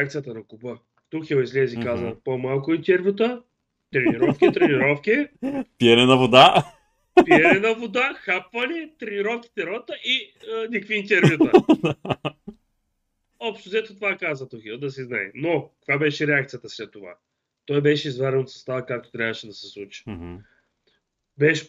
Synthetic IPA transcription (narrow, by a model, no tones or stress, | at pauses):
ɾɛakt̪ijət̪ɐnɐkʊbə | t̪uxilˠizlɛzikazəpomalˠkʊint̪ɛɾvʲjut̪ə | t̪ɾɛniɾɔfkʲit̪ɾɛniɾɔfkʲiɛpiɛnɛnɐvod̪a | piɛnɛnɐvod̪axapvɐnʲɛt̪ɾɛniɾɔfkʲi̥t̪ɛɾɔt̪əʔiənʲikviːnt̪ʲɛɾjut̪ə | ɔpʃt̪ozɛt̪ot̪ovakazvət̪oxid̪ɐs̬izna̰jɛ̰nokkkvabɛʃɛɾɛakt̪sijət̪əslɛt̪ːova̰ | t̪ɔjbɛʃɛizvaɾɛnot̪sə̥st̪avəkak̚t̪o̥t̪ɾʲavəʃɛd̪ɐsɛslˠut͡ʃi̥ | bɛʃɛ̥